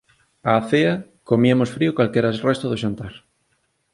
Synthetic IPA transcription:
aːθea | komiamosfɾiokwalkeɾasrest̪oðoʃant̪aɾ

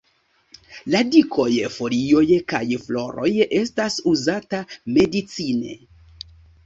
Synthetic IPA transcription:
ladiko̞jfo̞ɾio̞jkajflo̞ɾo̞̰je̞stasuzatame̞dit͡sine̞̰

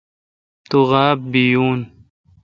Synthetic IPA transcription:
t̪uɣaːb̚bijuːn

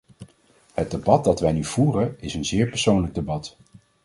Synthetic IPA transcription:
həd̚debɑt̚dɑtʋɛjnyv̥uːrənɪsənzɪːɹpəɹsownləɡ̚debɑt

